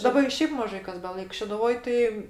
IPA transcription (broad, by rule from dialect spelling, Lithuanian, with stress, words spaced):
dɐˈbɐ ɪ ˈʃʲɛɪp mɐˈʒɐɪ kɐs bʲɛˈlˠɐɪk ʃʲɛdʊˈʋoːj ˈtɐɪ